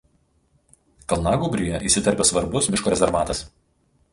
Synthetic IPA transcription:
kɐlˠnɑːɡʊbʲɾʲyˑjɛʔiˑsʲɪt̪ɐɾʲpʲeːsʋɐɾbʊsmʲɪʃkoːɾʲɛzʲɛɾʋɑːt̪ɐs

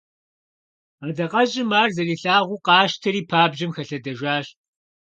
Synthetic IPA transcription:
aːdɐqʼɐʑʼɪmaːrzɐɮiːɬaːʁʷuqɑːʃtʰɐɾiːpʰaːbʑɪmxɐɬɐdɐʒʷaːɕ

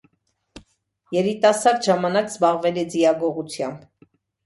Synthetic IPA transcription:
jɛɾit̪ɑsɑɾʒɑmɑnɑkzbɑʁvɛlid͡zijɑɡɔʁut͡sʰjɑmb

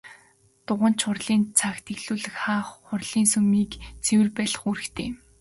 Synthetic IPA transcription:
t̪ʊʁə̆n̥t͡ɕʰχʊrɮiːnt͡sʰaxt̪ʰeɣɮuːɮɘ̆xχaːχχʊrɮiːnsɵmiːkt͡sʰewɘ̆rpæːɮə̥̆χuɾɘ̆kt̪ʰeː

